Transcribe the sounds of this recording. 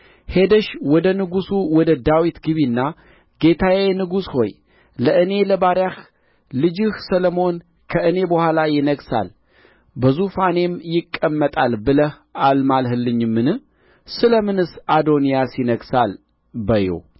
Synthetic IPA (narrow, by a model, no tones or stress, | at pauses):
he̞d̪əʃwɔd̪ənɨɡusuwɔd̪əd̪awit̪ɡɨβinːa | ɡ̥e̞t̪ʰawenɨɡusho̞j | ləʔɨne̞ləbaɾjah | lɨd͡ʒɪhsələmo̞n | kʰəʔɨne̞bəhʷalajɪnəɡsa̰l | bəzufane̞mjɪkʼːəmːət̪ʼalbɨləh | almalɦɨlːɨɲːɨmːɨnɨh | sɨləmɨnɨsad̪o̞nijasɪnəɡsal | bəjo̰